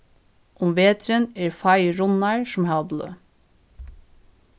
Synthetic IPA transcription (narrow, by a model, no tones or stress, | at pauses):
ʔʊmʋeːt̪ɾəneːɹfɑɪɹʊnɑɹʃɔm̩hɑlblø̰ː